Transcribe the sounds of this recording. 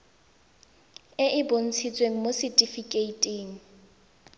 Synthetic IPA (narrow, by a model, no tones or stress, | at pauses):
ɪʔɪbon̩t͡sʰit͡sʼweŋ̩mosɪtʼifikʼeitʼeːŋ̩